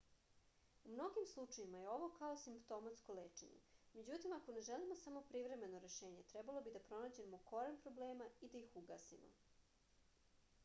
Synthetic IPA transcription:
umno̞ɡimslˠut͡ʂajimajeo̞ʋo̞kaosimpt̪o̞mat̪sko̞leːt͡ʂḛɲḛme̞d͡ʑut̪imako̞ne̞ʒelimosamopɾivɾe̞me̞no̞ɾe̞ʃe̞ːɲe̞t̪ɾɛbalˠo̞bid̪apɾo̞naːd͡ʑe̞moko̞ɾempɾo̞bleːmaid̪aixuɡa̰sḭmo̰

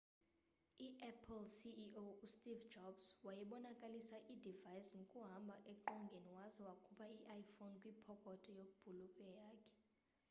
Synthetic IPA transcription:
iʔɛpʰlsiʔoustʼivd͡ʒɔbswajiɓɔnakʼalisaʔidʱivajsŋʱokʼuɦambʱaʔɛǃɔŋɡʱeniwazɛwakʰupʰaiʔajfonkʼwipʰɔkʼɔtʰʼɔjokʼub̥ʱulukʼwɛjaːkʰɛ̥

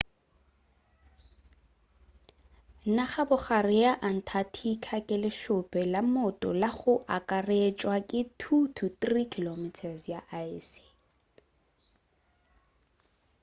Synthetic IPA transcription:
naχabʊχarɪaʔan̩tʰatʰikʰakʼɪlɪʃʊpʼɛlamʊtʼɔ̰laχʊʔakʼaret͡ʃʼwakʼɪtʰutʰuθrikʰilomɪtʰasjaʔaisi̥

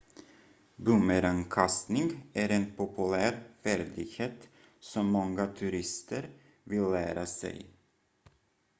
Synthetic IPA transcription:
bɵməɾankʰast̪nɪŋæɾeːnpʰʊpɵlæːɾfæɾɖ̪ɪɡheːt̪ | sɔmːɔŋːat̪ʰʉɾɪst̪əɾ | vɪlːæːɾasɛ̰j

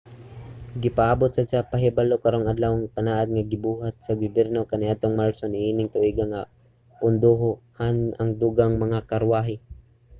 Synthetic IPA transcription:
ɡɪpaʔaːbot̪̚sɐsapaɦɛbalokɐɾoŋad̪lawaŋkɐnaːʔad̪̚ŋaɡɪbuːɦat̪̚sɐɡʊbɛɾnokanɪʔat̪oŋmalsonɪʔiːnɪŋt̪ʊʔiːɡaŋa | pʊnd̪oɦohanʔaŋd̪uɡaŋmɐŋakɐɾwaːɦɪ

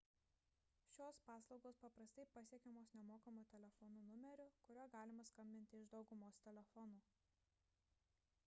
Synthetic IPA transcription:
ʃʲoːspɑːslˠɒʊɡoːspɐpɾɐsʲt̪ɐɪpɐsʲiɛkʲɛmoːsnʲɛmoːkɐmuːt̪ʲɛlʲɛfɔnuːnʊmʲɛɾʲʊkʊɾʲoːɡɑːlʲɪmɐskɐmʲbʲɪnʲt̪ʲɪɪʒd̪ɒʊɡʊmoːst̪ʲɛlʲɛfɔnuː

